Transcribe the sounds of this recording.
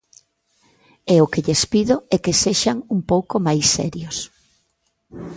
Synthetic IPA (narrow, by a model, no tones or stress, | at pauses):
ɛʊkeʎespiðʊɛkeseʃaŋumpowkomajsːɛ̰ɾjos